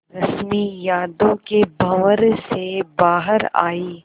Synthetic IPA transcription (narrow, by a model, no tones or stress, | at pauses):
ɾɐsmijaːd̪õkebʱɐʋəɾsebaːɦəɾa̰ːiː